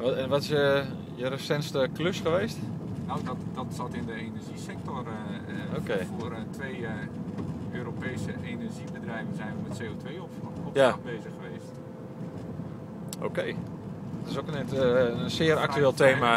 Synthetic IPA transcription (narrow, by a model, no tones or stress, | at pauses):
ɛnʋɔtɪsə | jərəsɛntstəkløsχəʋeːstnawdɔtdɔtsɔtɪndəeːnɛrʒisɛk̚tɔr | oːkeːfoərtʋej | ʔøːɾoːpejsəʔeːnərʒibədrɛjvənzɛjnʋəmɛtseːoːtʋejɔɔfjabeːzəxəʋeːst | o̰ːkej | ɔtɪsokənənsɪəɾa̰ktyeːlˠtʰeːma